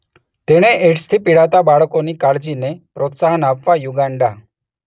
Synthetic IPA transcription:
t̪eɽ̃eʔeʈst̪ʰipiɽat̪abaɭkonikaɾd͡ʑinepɾɔt̪saɦənapʋajuɡaɳɖa

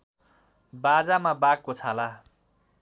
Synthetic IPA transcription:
bad͡zamabak̚kot͡sʰala

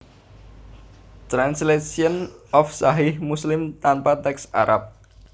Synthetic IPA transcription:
t̪ɾanslesiənɔfsaɦɪhmuslɪmt̪anpat̪ɛksa̰ɾʔap̚

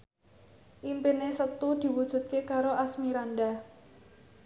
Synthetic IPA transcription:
ʔimpenesət̪ud̪̥i̤wud̥ʒ̥ṳt̪̚kekaɾoʔasmiɾand̪a

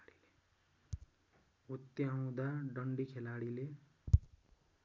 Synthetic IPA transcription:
ɽile | ɦut̪ːjaũd̪aɖʌɳɖikʰelaɽile

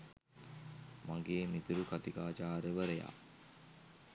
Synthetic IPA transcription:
maŋɡeːmit̪uɾukat̪ikaːt͡ʃaːɾəʋəɾeja̰

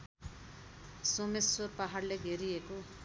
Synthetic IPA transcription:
somesːorpaɦarleɡʱeɾijeko

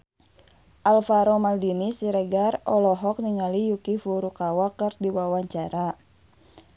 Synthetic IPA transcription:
ʔalfaɾɔmaldinisiɾɛɡarɔlɔɦɔk̚niŋalijukifuɾukawakɨrdiwawaɲt͡ʃaɾa

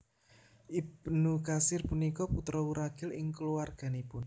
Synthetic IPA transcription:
ʔipnukasɪrpunikɔput̪ɾɔuɾaɡ̥ɪlɪŋkəluwarɡ̥a̤nepʊn

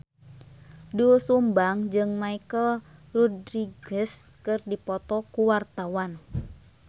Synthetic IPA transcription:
dusumbaŋd͡ʒɨŋmaikəlrɔdɾiɡɛskɨrdipɔt̪ɔkuwart̪awan

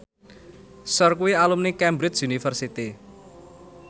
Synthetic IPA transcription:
sɔrkuwialumnikɛmbɾɪsunifərsit̪i

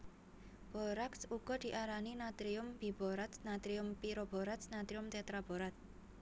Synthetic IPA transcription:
b̥ɔɾaksuɡ̥ɔ̤d̪̥i̤ʔaɾaninat̪ɾiʊmbib̥oɾat̪snat̪ɾiʊmpiɾob̥ɔ̤ɾat̪snat̪ɾiʊmt̪et̪ɾab̥ɔɾat̪̚

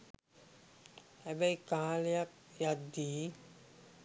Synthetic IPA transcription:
æbəjkaːlejak̚jad̪ːiː

